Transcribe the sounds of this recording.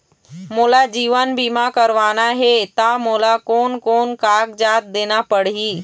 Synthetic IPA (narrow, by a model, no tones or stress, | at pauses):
moːlad͡ʑiːʋənbiːmãkəɾʋaːnaɦet̪amoːlakoːnkoːnkaːkd͡ʑaːt̪̚d̪eːnapəɽ̤ɦiː